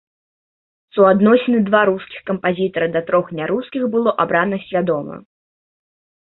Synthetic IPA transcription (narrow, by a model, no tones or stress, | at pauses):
suad̪nɔsʲinɨd̪vaɾuskʲixkɐmpazʲit̪ɐɾɐd̪ɐt̪ɾɔxnʲaɾuskʲixbɨlˠɔʔabɾanɐsʲvʲad̪ɔmɐ̰